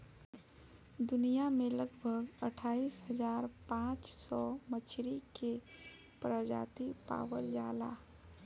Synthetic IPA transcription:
d̪ʊnijamẽləɡbʱəɡəʈʰaːisɦəzaːɾpãːt͡ʃsɔmət͡ʃʰɾike | pɾəd͡ʒa̰ːt̪ipa̰ːwəld͡ʒaːla̰

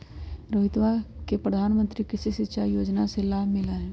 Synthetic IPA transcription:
ɾoːɦɪt̪ʋakepɾəd̪ʱaːnmə̃nt̪ɾikɪsisɪt̪ːʃajoːd͡ʒnaselaːɦmɪlaɦɛː

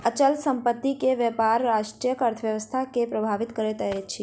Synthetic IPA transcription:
ət͡ʃəlsəmpət̪ːikeʋəpaɾːaʃʈɾijəkəɾt̪ʰəʋjəʋəst̪ʰakepɾəbʱaʋɪt̪kəɾet̪əɦet͡ʃʰe

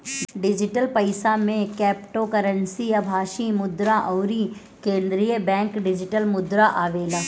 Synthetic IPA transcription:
ɖɪd͡ʒɪʈəlpɐɪsamẽkɛːpʈokəɾə̃nsijabʱaːʃimʊd̪ɾãʔɔːɾi | kẽːnd̪ɾijəbɛ̃ːŋkɖɪd͡ʒɪʈəlmʊd̪ɾaʔaːʋeːlaː

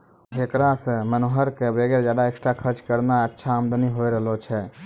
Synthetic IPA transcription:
ekɾasə̃mənoɦəɾkebɾeɡeɾd͡ʒad̪aeksʈɾakʰəɾt͡ʃkəɾnaətːʃʰaəmd̪əniɦojɾəɦlot͡ʃʰɛ

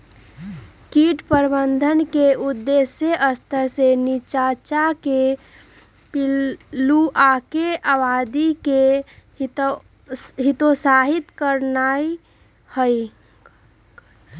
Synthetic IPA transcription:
kiʈpəɾbənd̪ʱənkeud̪ːesjeʔəst̪ʰəɾsenit͡ʃat͡ʃake | piluʔakeʔabad̪ike | ɦit̪osaɦit̪kəɾnai | həj

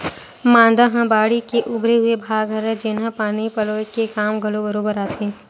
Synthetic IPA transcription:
mãːnd̪aɦɐ̃baːɽikeʔʊbɾeɦʊebʱaːɡʱɐɾd͡ʒɪnɦə̃paːɽ̃ipɐloːkekaːmɡʱɐlobəɾoːbəɾaːt̪ʰẽː

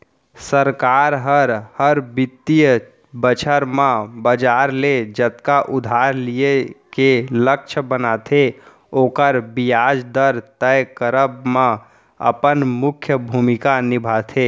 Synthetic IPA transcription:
səɾkaɾɦəɾhəɾbit̪ːij | bət͡ʃʰəɾmãbəd͡ʒaɾled͡ʒət̪kaʔud̪ʱaɾlijekelək̚t͡ʃʰəbənat̪ʰe | okəɾbijad͡ʒd̪əɾt̪əjkəɾəbmã | ə̰pənmukʰjəbʱumikanibʱat̪ʰe

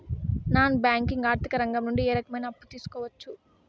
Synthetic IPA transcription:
naːnubaːŋkiŋɡaːɾt̪ikɐɾɐŋɡɐmnuɳɖieːɾɐkɐmɐjnɐːpːut̪iːsu̥kɔːʋɐt͡ʃːu

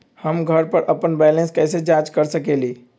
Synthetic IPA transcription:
həmɡʱəɾpəɾʔəpənbɛlẽnskɛɪsed͡ʒad͡ʒkəɾsəkeli

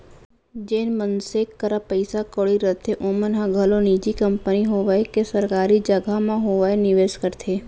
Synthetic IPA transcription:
d͡ʒeːnmənsekːəɾapəɪsakoɭiɾət̪ʰeʔoːmənɦãɡʱəloniːd͡ʒikəmpəniɦoːʋaekesəɾkaːɾid͡ʒəɡʱamãɦoːʋaenɪʋeːʃkəɾt̪ʰeː

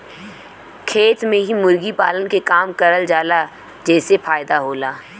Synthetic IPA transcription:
kʰeːt̪mẽɦimʊɾɡipaːlənkekaːmkɐɾəld͡ʒaːla | d͡ʒɛːsefaːjd̪aɦoːlaː

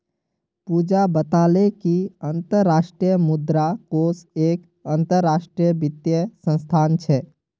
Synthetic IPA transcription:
pud͡ʒabət̪alekiənt̪əɾːaʃʈɾijəmud̪ɾakosek | ənt̪əɾːasʈɾijəbit̪jəsə̃nst̪ʰant͡ʃʰɛ

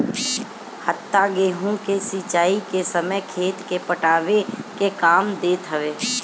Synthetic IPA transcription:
hət̪ːaɡeːɦũkesit͡ʃaːikesəməjkʰeːt̪kepəʈaːʋekekaːmd̪eːt̪ɦəʋeː

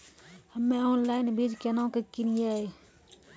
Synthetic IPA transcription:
həmːẽoːnlaːɪnbid͡ʒkenãkekɪnijae

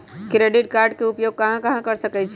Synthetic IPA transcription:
kɾeɖiʈkaɾɖkeupjoɡ̚kəɦãkəɦãkəɾsəkɛt͡ʃʰɛ

